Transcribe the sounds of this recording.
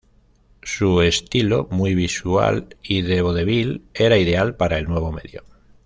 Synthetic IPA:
sue̞st̪ilomujβ̞isua̰liðe̞β̞o̞ðe̞β̞ile̞ɾaiðe̞alpaɾae̞lnwe̞β̞o̞me̞ðjo̰

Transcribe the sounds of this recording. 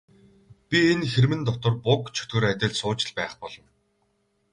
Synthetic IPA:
pʲienxermɘ̆nt̪ɔkt̪ɞ̆rpʊkt͡ɕʰɵ̥t̪ɡɵ̆ɾat̪ʲɪ̆ɮsʊːt͡ɕɪ̆ɮpæːχpɔɮɞ̆n

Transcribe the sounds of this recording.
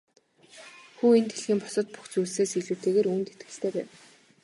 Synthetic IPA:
xuːent̪ʰeɮxiːmpɔ̥sɞ̆t̪̚pu̥xt͡suːɮseːsiɮuːt̪ʰeːɣeːɾuːnt̪et̪ɡɘ̥̆ɬt̪ʰeːpæːw

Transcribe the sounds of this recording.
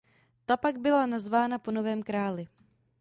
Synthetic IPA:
t̪apaɡ̚bɪlanazvaːnapono̞vɛːmkɾaːlɪ

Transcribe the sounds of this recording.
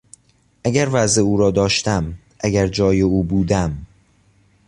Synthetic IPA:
ʔæɟæɾvæzeuːɾɒːd̪ɒːʃt̪æm | ʔæɟæɾd͡ʒɒːjeuːbuːd̪æm

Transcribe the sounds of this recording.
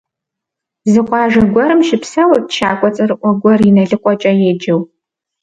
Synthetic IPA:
zɨqʷɑːʒɐɡʷɔɾɨmʃɪpsɐwɐtʃaːkʷʼɔt͡sʼɐrɨʔʷɔɡʷɔrinɐɮɨqʷʼɔt͡ʃʼɐjeːd͡ʒɐw

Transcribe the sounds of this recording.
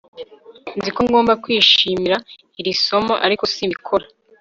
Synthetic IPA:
nzikoŋɡoːmbakwiːʃiːmiɾa | iɾiso̞mo̰ʔa̰ɾiko̞simikʰoɾa

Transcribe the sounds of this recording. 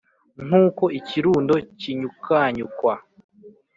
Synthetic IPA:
n̥uːko̞iciɾuːndo̞ciɲukʰaːɲukwa

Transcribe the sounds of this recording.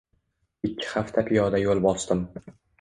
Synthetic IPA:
ɪkʲʰːɪ̥haft̪ʰapʰɪjɒd̪ajolˠbɒsd̪ɪm

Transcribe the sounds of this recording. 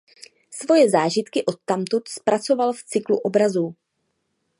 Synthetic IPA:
svo̞jɛzaːʒɪt̪kɪʔo̞t̪ːamt̪ut̪spɾʔat͡so̞valft͡sɪkluʔo̞bɾazuː

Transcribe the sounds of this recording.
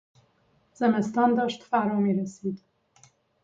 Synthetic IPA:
z̥ənast̪ɑnd̪ɑʃt̪faɾɑmeɾased̪

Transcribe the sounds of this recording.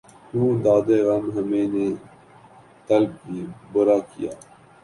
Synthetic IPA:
hũːd̪aːd̪eːɣɐmɦəmeːnẽː | t̪əlb̚kiːbəɾaːkɪja̰ː

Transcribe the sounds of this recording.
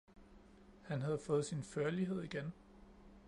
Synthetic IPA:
hænɦæð̞̩ˠfɔ̽ːð̩ˠsinføɐliɦe̝ð̞̰ˠiɡ̥en

